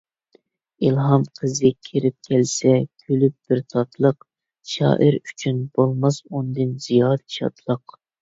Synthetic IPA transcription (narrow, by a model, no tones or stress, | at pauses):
ilˠɦɑmqʰəzɨkʲʰeɾɪp̚kʲʰɛlsɛkʲʰølyp̚b̥ɪɾt̪ʰɑt̪ʰlˠəq | ʃɑ̰ːʔɨɾy̥t͡ʃʰynb̥olˠmɑsund̪ɨnz̥ijɑd̪ʃʰɑ̰t̪ʰlˠəq